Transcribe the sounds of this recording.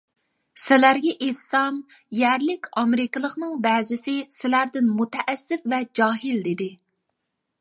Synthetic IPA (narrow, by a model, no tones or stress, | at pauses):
sɪlæɾɡʲɛʔet̪sɑmjæɾlɪkʲɑmɪɾɪkʲɪlˠəχnɨŋbɛːzɪsɪsɪlæɾd̪ɪnmut̪ʰɛʔːsːɪfvɛd͡ʒɑːɦɪld̪ed̪ɪ